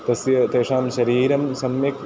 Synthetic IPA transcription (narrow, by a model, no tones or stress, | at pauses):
t̪ɐsjɐt̪eːʂaːmʃɐɾiːɾɐmsɐmjɐk